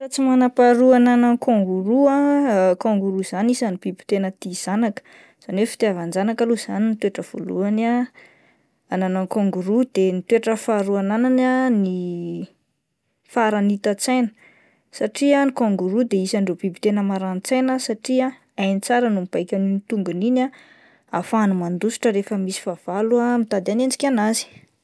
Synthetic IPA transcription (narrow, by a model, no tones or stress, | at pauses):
ɾat͡simanapaɾuananaŋkoŋɡuɾuakõŋɡuɾuz̥anisanib̥ibi̥t̪enət̪iz̥anakə̥ | z̥anefi̥t̪avand͡ʒanakaluz̥anint̪ueʈ͡ʂəv̥o̰lṵana | ananaŋkoŋɡuɾud̪̥enit̪weʈ͡ʂəfaɾuanananani | faɾanit̪at͡sajnə̥ | saʈ͡ʂianikoŋɡuɾud̪eisaɳɖ͡ʐobibit̪enəmaɾant͡sajnəsaʈ͡ʂia | ajnit͡saɾənumib̥ajkʲaninit̪uŋɡunina | afanumand̪usu̥ʈ͡ʂəɾefəmisi̥fav̥aluamit̪ad̪anend͡ʒi̥kʲanazi̥